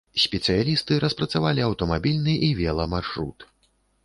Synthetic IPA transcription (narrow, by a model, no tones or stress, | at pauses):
sʲpʲɛt̪sɨjalʲist̪ɨɾɐspɾɐt̪savalʲiɐwt̪ɔmabʲilʲnɨʔivʲɛlˠɐmarʂɾṵt̪